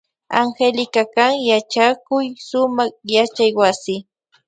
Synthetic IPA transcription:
aŋxelɪkakaŋjat͡ʃakʊjsʊmɑχjat͡ʃajwasɪ

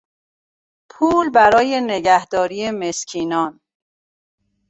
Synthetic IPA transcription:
pʰuːlbæɾɒːje̞neɡæhd̪ɒːɾijemescʰiːnɒːn

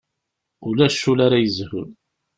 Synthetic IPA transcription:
ʊlæʃːulaɾajəzhʊ̰l

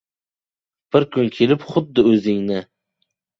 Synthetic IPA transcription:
b̥ɪɾkʰʊnkʲʰelɪpχʊd̪ːɪɵzɪŋnɪ

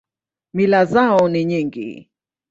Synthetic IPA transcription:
milazaɔniɲiŋɡḭ

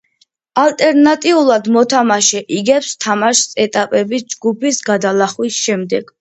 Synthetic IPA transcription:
alt̪ʼɛɾnat̪ʼiulˠad̪mɔt̪ʰamaʃɛʔiɡɛpst̪ʰamaʃsɛt̪ʼapʼɛbisd͡ʒɡupʰisɡad̪alaχwisʃɛmd̪ɛɡ̥

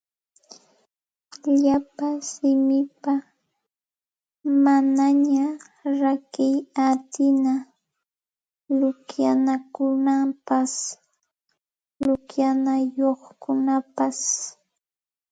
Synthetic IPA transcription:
ʎapasɪmɪpa | manaɲa | ɾakɪjat̪ɪna | lʊkjanakʊnampas | lʊkjanajoχkʊnapas

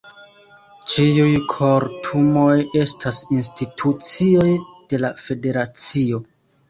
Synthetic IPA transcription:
t͡ʃiujkʰo̞ɾtʰumo̞je̞stʰasins̬titʰut͡sio̞jd̥e̞lafe̞de̞ɾat͡sio̞

